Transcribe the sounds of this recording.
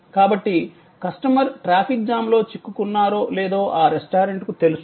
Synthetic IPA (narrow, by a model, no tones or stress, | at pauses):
kaːbɐʈːi | kɐsʈɐmɐɾʈɾaːpʰik̚d͡ʒaːmlo̞ːt͡ʃikːukunːaːɾoːleːd̪oːʔaːɾesʈaːɾeɳʈkut̪e̞lus